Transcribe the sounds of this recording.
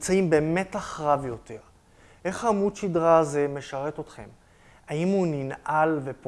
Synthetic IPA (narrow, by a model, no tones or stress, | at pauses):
mt͡saimbe̞ːme̞taχʁavjo̞te̞ʁ | ʔe̞χhamutʃidʁaːze̞me̞ʃaʁe̞to̞tχe̞̰m | aimuninʔalve̞p